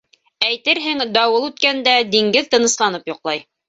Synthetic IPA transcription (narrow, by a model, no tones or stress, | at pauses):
æjt̪ɘɾɦɘŋd̪ɑwɤlˠʉt̪kænd̪æd̪iŋɡɘðt̪ɤ̆nɤ̆slˠɑnɤpjŏqlˠɑj